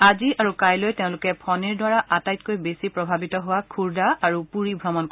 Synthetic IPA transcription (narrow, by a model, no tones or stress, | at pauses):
aziaɹukajlojteʊ̃lʊkɛpʰɔniɹdwaɹaʔatajtkojbesipɹɔbʱabitɔɦʊwakʰuɹdaaɹupuɹibʱɹɔmɔnk